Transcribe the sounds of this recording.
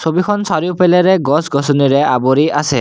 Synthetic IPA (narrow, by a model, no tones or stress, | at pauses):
sobikʰɔnsaɾipeleɾeɡɔsɡɔsɔniɾeʔaboɾiase